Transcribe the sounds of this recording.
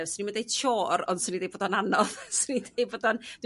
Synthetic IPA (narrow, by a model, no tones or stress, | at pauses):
vsənimədejt͡ʃʰoːɾɔ̰nd̥sənːindejboːdɔnanɔðsənidejboːdɔnd̥w